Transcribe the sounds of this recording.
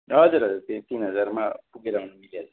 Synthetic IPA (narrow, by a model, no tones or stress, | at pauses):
nʌɦʌd͡zuɾɦʌd͡zuɾt̪it̪inɦʌd͡zaɾma̰puɡeɾaɦunumiljad͡za